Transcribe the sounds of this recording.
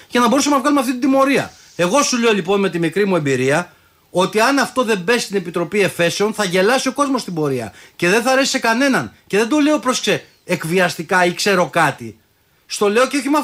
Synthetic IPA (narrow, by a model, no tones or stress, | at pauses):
ʝɐnɐbo̞usɐmenɐvɣɐlumeɐft̪it̪id̪imo̞ɾiɐ̰ | e̞ɣo̞sule̞olipo̞nme̞t̪imikɾimue̞mbiɾiɐ | o̞t̪iɐnɐft̪o̞ðe̞mbe̞st̪ine̞pit̪ɾo̞pie̞fe̞se̞onθɐʝe̞lɐsio̞ko̞zmost̪ibo̞ɾiɐ̰ce̞ðe̞nθɐːɾe̞si̥sekɐne̞nɐnce̞ðe̞d̪o̞le̞opɾo̞skse | ekviɐst̪ikɐikse̞ɾo̞kɐt̪i | st̪o̞le̞o̞ceo̞çimɐ